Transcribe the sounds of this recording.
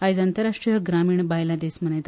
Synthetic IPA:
ajd͡zant̪əɾaʂʈɾijəɡɾamiːɳbajlad̪esm̤ənet̪

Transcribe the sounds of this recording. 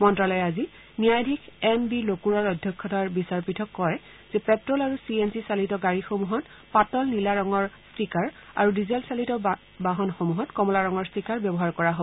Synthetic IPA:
mɔntɹalɔjɛazi | nijajdʱikʰɛmbilokuɹaɹɔdʱjɔkʰːɔtaɹbisaɹpitʰɔkːɔɹɛ | z̥ɛpɛtɹɔlaɹusiensisalitɔɡaɹixomuɦɔt | patɔlnilaɹɔŋɔɹstikaɹa̰ɹudizelsalitɔ | baɦɔnxomuɦɔtkɔmɔlaɹɔŋɔɹstikaɹbjɔbɔɦaɹkɔɹaɦoɔ

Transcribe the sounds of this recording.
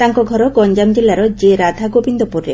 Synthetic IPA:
t̪aŋkɔɡʱɔɾɔɡɔɲd͡ʒamd͡ʒelːaɾɔd͡ʒeɾad̪ʱaɡobind̪ɔpuɾḛ

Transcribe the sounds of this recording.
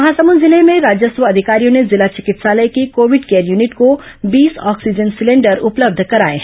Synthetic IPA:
ɐɦasəmunzɪlemẽɾaːd͡ʒjəsʋəɐd̪ʱɪkaːɾijõnezɪlat͡ʃɪkɪt̪saːləjkikoːʋɪɖkeːəɾjuːnɪʈkobiːsɔːksid͡ʒənsɪlẽːɳɖəɾʊpləb̚d̪ʱkɐɾaːḛ

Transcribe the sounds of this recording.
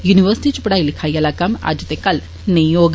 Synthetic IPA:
juniʋəɾsi̥ʈiːt͡ʃupɐɽaːilikʰajalakɐma̰d͡ʒt̪ekɐl | nejoːɡ

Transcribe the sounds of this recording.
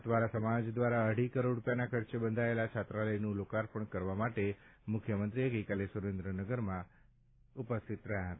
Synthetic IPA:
t̪ʰʋaɾasəmad͡ʒd̪ʋaɾaəɽ̤ikəɾoɖɾupjanakʰəɾt͡ʃebənd̪ʱaelat͡ʃʰat̪ɾaləjnũlokaɾpəɳkəɾʋamaʈemʊkʰjəmənt̪ɾieɡəjkalesuɾẽnd̪ɾənəɡəɾmã | upəst̪ʰit̪ɾəɦjaɦət̪a

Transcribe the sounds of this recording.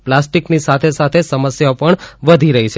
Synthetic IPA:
plasʈiknisat̪ʰesat̪ʰesəməsjaopəɳʋəd̪ʱiɾəɦit͡ʃʰe

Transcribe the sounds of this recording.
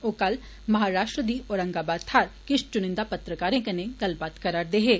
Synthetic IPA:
oːkɐl | mɐɦaːɾaːʃʈɾəd̪iːoːɾɐ̃ŋɡaːbaːd̪̚t̪ʰaːɾkɪʃt͡ʃʊnɪ̃nd̪apɐt̪ɾəkaːɾẽkɐnẽɡɐlbaːt̪kɐɾaːɾd̪eːɦeː

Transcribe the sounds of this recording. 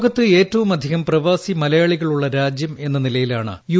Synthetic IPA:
ɣɐt̪ːɨe̞ːtːɐʋumɐd̪ʱiɣɐmprɐʋaːsimɐlɐjaːɭiɣɐɭuɭːɐɾaːd͡ʑjɐme̞nːɐnilɐjilaːɳɨ̰ju

